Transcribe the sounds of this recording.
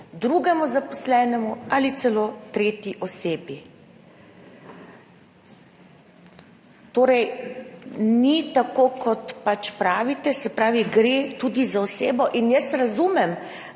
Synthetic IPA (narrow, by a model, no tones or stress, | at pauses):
d̪ɾuɡɛmuzapɔslɛːnɛmualit̪sɛloːt̪ɾeːt̪jiʔɔseːbji | t̪oːɾɛj | nit̪akoːkʰɔt̪pat͡ʃpɾaːʋit̪ɛsɛpɾaːʋiɡɾet̪ud̪izaɔseːbɔʔinjɛsɾazuːmɛm